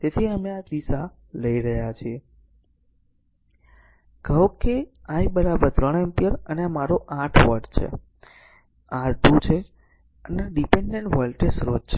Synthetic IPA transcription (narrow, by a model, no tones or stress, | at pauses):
t̪et̪ʰiəmead̪isa | ləiɾəɦjat͡ʃʰie | kəokeaibəɾabəɾt̪ɾəɳ̃empijəɾəneamaɾoʔãʈʰʋəɾɖt͡ʃʰḛ | ãɾd̪ʱũt͡ʃʰe | ənaɖipeɳɖeɳʈʋɔlʈesɾod͡ʒt͡ʃʰe